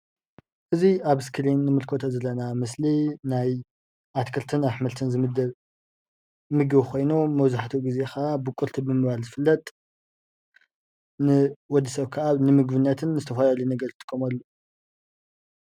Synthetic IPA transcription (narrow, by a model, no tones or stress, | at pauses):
ʔɨziaβɨskʰɨlinːɨmɨlkʰo̞t̪ʰɐzɐlːɐnamɨslinaj | ʔat̪kʰɨɾt̪ʰɨnaħmɐlt̪ʰɨnzɨmd̪ | mɨɡβxʰo̞jnumɐβzaħt̪ʰuɡize̞xaʔabɨkʼuɾt̪ʰibɨmɨβalzɨfɨlːɐt̪ʼ | nɨwɔd̪ːisɐβkʰaaβnɨmɨɡβɨnːɐt̪ʰɨnzɨt̪ʰɐfɐlalunɐɡɐɾt̪ʰːɨ̥kʰːomalːo